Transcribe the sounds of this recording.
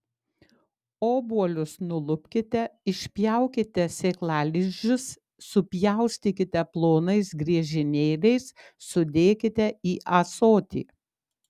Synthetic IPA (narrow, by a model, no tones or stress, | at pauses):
oːbuɔlʲʊsnʊlˠʊpʲkʲɪt̪ʲɛɪʃʲpʲjɛˑʊkʲɪt̪ʲɛsʲeːklˠɑːlʲɪd͡ʒʲʊsː | ʊpʲjɛʊsʲt̪ʲɪkʲɪt̪ʲɛplˠoːnɐɪsɡɾʲiɛʒʲɪnʲeːlʲɛɪsː | ʊd̪ʲeːkʲɪt̪ʲɛiːʔɐsoːt̪ʲḭː